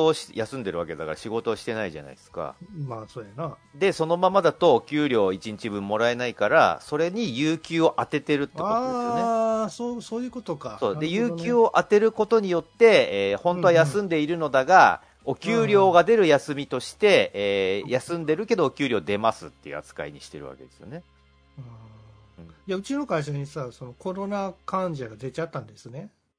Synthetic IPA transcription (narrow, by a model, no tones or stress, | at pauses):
oːɕi̥jasɨ̃nd̪e̞ɾɯ̟ake̞d̪akaɾaɕiɡo̞t̪o̞ːɕi̥t̪e̞naiʑa̰na̰isɨ̥ka̰maːsoːjana | d̪e̞so̞no̞mamad̪at̪o̞ːkʲɨːɾʲo̞ːit͡ɕiɲ̟it͡ɕibɯ̟̃mːo̞ɾae̞naikaɾa̰so̞ɾe̞ɲ̟ijɯːkʲɨːo̞ʔat̪e̞t̪e̞ɾɯ̟t̪ːekoojnesosoːjɯ̟ːkot̪okasoːd̪e̞jɨːkʲɨːo̞ʔat̪e̞ɾɯ̟ko̞t̪o̞ɲ̟ijo̞t̪ːe̞eːhõ̞nt̪o̞ajasɨ̃nd̪e̞iɾɯ̟no̞d̪aɡa | o̞kʲɨːɾʲo̞ːɡad̪e̞ɾɯ̟jasɨmʲit̪o̞ɕi̥t̪e̞ː | jasɨ̃nd̪e̞ɾɯ̟ke̞d̪o̞ːkʲɨːɾʲo̞ːd̪e̞masɨt̪ːe̞jɯ̰a̰t͡sɨ̥ka̰ḭɲ̟ḭɕi̥t̪e̞ɾɯ̟βa̰ke̞d̪e̞̥sɨijo̞̰ne̞ | a | ɯ̃ɴjaɯ̟t͡ɕino̞kaiɕaɲ̟isaso̞no̞ko̞ɾo̞nakãɲd͡ʑaɡad̪e̞t͡ɕat̪ːãnd̪e̞sɨne